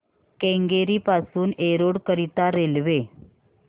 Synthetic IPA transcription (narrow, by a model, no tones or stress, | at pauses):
kẽŋɡeɾiːpasuːneɾoɽkəɾit̪aɾelʋe